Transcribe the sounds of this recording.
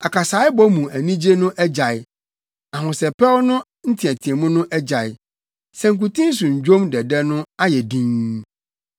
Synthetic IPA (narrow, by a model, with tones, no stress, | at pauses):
a˨kʰa˨saː˨˦ɪ˦bɔ˦mũ˨æ˨nĩ˦d͡ʑe˦nʊ̃˦ʔɛ˦d͡ʑa˨ɪ˨ | a˨ɦʊ̃˨sɛ˨pʰɛ˦wnʊ̃˦ | n̩˦tʰɪ̃˨æ˨tʰi˨e˨mʊ̃˦nʊ̃˦ʔɛ˦d͡ʑa˨ɪ˨ | sɛ̃˦ŋ̩˨k̬u˨tĩ˦s̬ʊ̃˨ɲ̩˨d͡ʑᶣõ˦mdɛ˨dɛ˦nʊ̃˦a˦jɛ˨dĩ˦ŋ